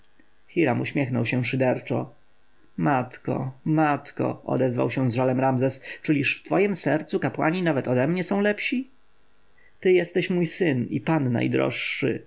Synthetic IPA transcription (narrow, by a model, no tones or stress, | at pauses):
xʲiɾamuɕmʲjɛxnɔwɕɛʂɘd̪ɛɾt͡ʂɔ | mat̪kɔ̰mat̪kɔ̰ɔ̰d̪ɛzva̰wɕɛ̃zʐalɛmɾamzɛst͡ʂɘlʲiʂft̪fɔjimsɛɾt̪sukapwa̰ɲinavɛt̪ɔd̪ɛmɲɛsɔ̃w̃lɛpɕi | t̪ɘjɛst̪ɛɕmujsɘnḭpanːa̰jd̪ɾɔ̰ʂːɘ̰